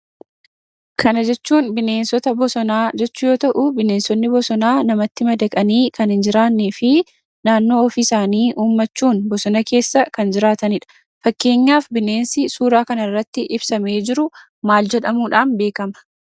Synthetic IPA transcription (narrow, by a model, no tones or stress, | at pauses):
kʰɐnɐd͡ʒɛt͡ʃːuːnbɪne̞ːnsɔt̪ɐbɔsɔnaːd͡ʒɛt͡ʃːʊjo̞ːt̪ɐʔʊbɪneːnsɔnːɪbɔsɔnaːnɐmɐt̪ːɪmɐd̪ɐkʼɐniːkɐnhɪnd͡ʒɪɾaːnːeːfɪ | naːnːo̞ːɔfisaːniːʔuːmːɐt͡ʃːuːnbɔsɔnɐke̞ːsːɐkɐnd͡ʒɪɾaːt̪ɐnɪᶑɐ̥ | fɐkːe̞ːɲːaːfbɪne̞ːnsɪsuːɾaːkɐnɐrːɐt̪ːɪʔɪbsɐme̞ːd͡ʒɪɾʊ | maːld͡ʒɛᶑɐmuːᶑaːnbe̞ːkɐmɐ̥